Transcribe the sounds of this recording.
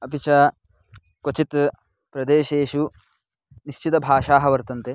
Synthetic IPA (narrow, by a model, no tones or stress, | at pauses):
ɐpit͡ʃɐ | kot͡ʃit̪ | pɾɐd̪eːʃeːʃu | niʃt͡ʃit̪ɐbʱaːʃaːɦɐʋɐɾt̪ɐnt̪e